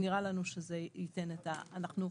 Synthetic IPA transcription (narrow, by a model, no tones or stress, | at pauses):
niʁalanuʃezeite̞netaːnaχnu